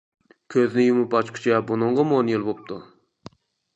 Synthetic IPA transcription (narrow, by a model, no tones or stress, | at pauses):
kʲʰøznɪjumupɑt͡ʃkʲʰʊ̥t͡ʃʰɛbunɨɴʁɑmonjilˠbop̚t̪u